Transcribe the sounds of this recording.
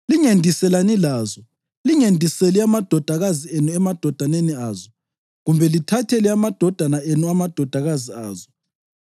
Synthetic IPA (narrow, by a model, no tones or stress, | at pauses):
liŋendʱisɛlanilaːzɔ | liŋendʱiseliamad̥ʱɔd̥ʱaɣazienuɛmad̥ʱɔd̥ʱaneniaːzɔ | ɣumbʱɛlitʰatʰelɛamad̥ʱɔd̥ʱanaenuamad̥ʱɔd̥ʱaɣaziaːzɔ